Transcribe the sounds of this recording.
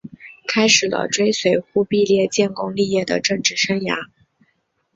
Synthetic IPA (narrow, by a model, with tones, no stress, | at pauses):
kʰa˥ɪʂɻ̩˨˩lə̰˦ʈ͡ʂwe˥ɪswe˧˩ɪxu˥˧pi˥˧ljɛ˥˧t͡ɕjɛ˥˩nkʊ˥ŋli˥˧jɛ˥˩d̪ə̰˩ʈ͡ʂɤ˥˧ŋʈ͡ʂɻ̩˥˩ʂə˥ŋja̰˧˥